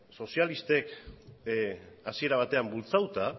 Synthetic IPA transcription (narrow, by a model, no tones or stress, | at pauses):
so̞sialist̪e̞k | asie̞ɾaβ̞at̪e̞ambult͡sawt̪a